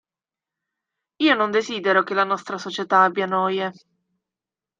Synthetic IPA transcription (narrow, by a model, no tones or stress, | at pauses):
iːonond̪eziːd̪eɾok̟elːanɔst̪ɾasot͡ʃet̪aabːjanɔːje